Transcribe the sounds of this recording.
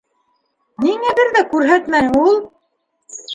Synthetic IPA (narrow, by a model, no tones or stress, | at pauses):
niŋæβɘɾðækʉɾɦæt̪mænulˠ